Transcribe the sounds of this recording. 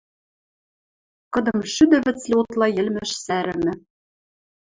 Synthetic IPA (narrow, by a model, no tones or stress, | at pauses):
kɤ̆d̪ɤ̆mʃyd̪ɘ̆βɘ̆t͡slʲĕot̪lˠɑjɘ̆lmæʃsæɾɘ̆mɘ̆